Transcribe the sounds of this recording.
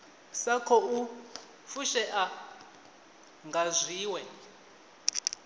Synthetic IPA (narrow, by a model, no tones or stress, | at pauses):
sakʰɔu | fuʃɛʔa | ŋɡʱazʷiːwɛ